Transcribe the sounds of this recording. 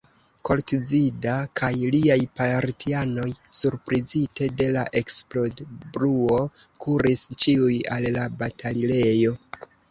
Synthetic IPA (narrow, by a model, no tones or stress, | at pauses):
ko̞ltizidakʰajliajpaɾtiano̞jsuɾpɾizite̞de̞laʔe̞ksplo̞dbɾuo̞kʰuɾist͡ʃiujalːabatʰalile̞jo̞